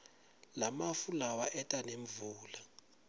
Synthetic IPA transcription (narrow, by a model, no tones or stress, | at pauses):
lamafulawaʔɛtʼaneɱvuːla